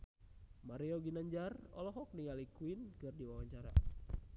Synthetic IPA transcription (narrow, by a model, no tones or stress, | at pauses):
maɾiɔɡinaɲd͡ʒarɔ̰lɔɦɔk̚niŋalikuinkɨrdiwawaɲt͡ʃaɾa̰